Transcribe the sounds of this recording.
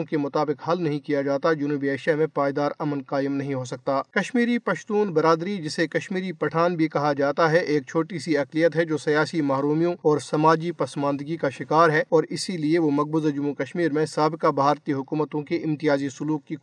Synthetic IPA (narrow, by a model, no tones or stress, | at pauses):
õkemʊt̪aːbɪqɦɐlnɐɦĩkijad͡ʒaːt̪ad͡ʒʊnuːbieːʃjamẽpaːjd̪aːɾɐmənqaːjəmnɐɦĩɦosɐk̚t̪aːkɐʃmiːɾipɐʃt̪uːnbɐɾaːd̪ɾid͡ʒɪsekɐʃmiːɾipɐʈʰaːnbʱikɐɦad͡ʒaːt̪aɦɛʔeːk̚t͡ʃʰoːʈisiɐqlijət̪ɦɛd͡ʒoːsɐjaːsimaːɦɾuːmijõɔːɾsɐmaːd͡ʒipɐsmãːnd̪əɡikaʃɪkaːɾɦɛɔːɾɪsilieʋomɐɡ̚bʊzd͡ʒʊmukɐʃmiːɾmẽsaːbɪkabʱaːɾt̪iɦʊkuːmət̪õkeʔɪ̃mt̪ijaːzisʊluːkːi